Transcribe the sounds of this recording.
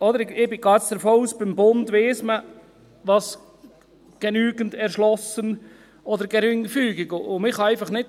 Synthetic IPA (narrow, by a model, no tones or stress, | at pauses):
ɔd̪əɾɪɪbɪɡ̥ɑːt͡ssd̪əɾfoːuːsb̥ɪmbʊndʋeːsmə | ʋɑs | ɡ̥ɛnyːɡəndɛɾʃlɔsən | ɔd̪əɾɡ̥ɛɾʏŋfyːɡɪɡʊʊmɪχhɑæɪfɑχnɪt